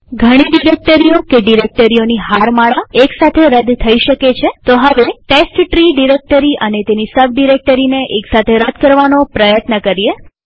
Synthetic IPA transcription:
ɡʱəɽ̃iɖiɾek̚ʈəɾiokeɖiɾek̚ʈəɾioniɦaɾmaɭaeksat̪ʰeɾəd̪t̪ʰəiʃəket͡ʃʰet̪oɦəʋeʈesʈʈɾiɖiɾek̚ʈəɾiʔənet̪enisəʋɖiɾek̚ʈəɾineʔeksat̪ʰeɾəd̪̚kəɾʋanopɾəjət̪nəkəɾie

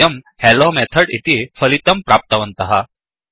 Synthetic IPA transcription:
əmhɛlomɛt̪ʰəɽit̪ifəlit̪əmpɾap̚t̪aʋənt̪aɦa

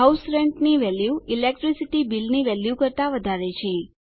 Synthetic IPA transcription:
ɦausɾɛɳʈniʋɛljuilek̚ʈɾisiʈibilniʋɛljukəɾt̪aʋəd̪ʱaɾet͡ʃʰe

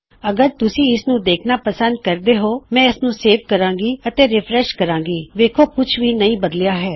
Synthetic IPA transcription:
əɡəɾt̪ʊsĩːɪsnũːd̪eːkʰnaːpəsə̃nd̪̚kəɾd̪eːɦoːmɛ̃ːɪsnũːseːʋkəɾãːŋɡiːət̪eːɾɪpʰɾɛʃkəɾãːŋɡiːʋeːkʰoːkʊt͡ʃʰʋiːnəĩːbəd̪lɪjaːɦɛː

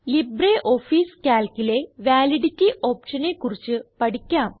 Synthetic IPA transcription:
libreːʔo̞ːfiːskʲaːlkile̞ʋaːliɽitːiʔo̞ːpʂɐnekːurit͡ɕːɨpɐʈikʲːaːm

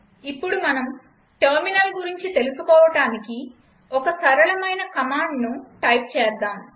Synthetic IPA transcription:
ipːuɽumɐnɐm | ʈɐɾminɐlɡuɾiɲt͡ʃit̪e̞lusupɔːʋɐʈaːniki | ɔkɐsɐɾɐɭɐmɐjnɐkɐmaːɳɖnuʈɐjp̚t͡ʃɛːɾd̪aːm

